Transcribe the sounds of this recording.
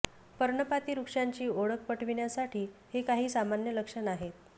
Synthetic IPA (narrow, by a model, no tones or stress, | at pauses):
pəɾɳəpat̪iːɾukʂaɲt͡ɕiːoɽək̚pəʈʰʋiɳjasaʈʰiːhekaɦiːsamanjələkʂənaɦet̪̚